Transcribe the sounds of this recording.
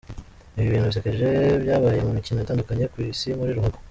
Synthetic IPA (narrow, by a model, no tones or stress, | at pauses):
iβjiβiːnhuβisekeʒe̞βjaːβaje̞mumicinojataːndukaɲe̞kwiːsimuɾiɾuhaɡo